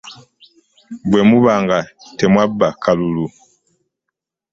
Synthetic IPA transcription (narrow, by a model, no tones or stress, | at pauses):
bwɛmuβaŋɡatɛmwabːakalulu